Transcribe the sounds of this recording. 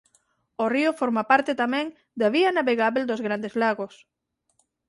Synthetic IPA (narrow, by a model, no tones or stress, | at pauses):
oriofoɾmapaɾt̪et̪amɛ̃ŋ | d̪aβianaβeɣaβeld̪ozɣɾand̪ezlaɣos